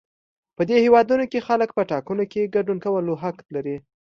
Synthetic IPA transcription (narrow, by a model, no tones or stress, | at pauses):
pəd̪ehewɑd̪unokexalək̚pəʈɑkunokeɡaɖunkawəloɦaklaɾi